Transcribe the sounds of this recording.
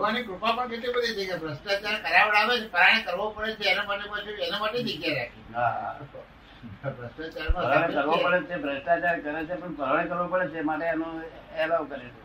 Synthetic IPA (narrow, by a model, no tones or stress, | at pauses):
ʋaniʈɾupãpəɳket̪ibəd̪ʱid͡ʒekabɾəsʈ̪at̪jaɾekəɾjabəɭaʋet͡ʃʰepəɾaɽ̃ekəɾʋopəɽet͡ʃʰeːnamaʈepət͡ʃeenamaʈed̪iɡjaɾakʰiɦaɦa̰ | bɾəst̪at̪jaɾemãəɾaɽ̃ekəɾʋopəɽet͡ʃʰebɾəsʈ̪atjaɾkəɾet͡ʃʰepəɳpəɾaɽ̃ekəɾʋopəɽet͡ʃʰemaʈeanõɛlaʋkəɾet͡ʃʰe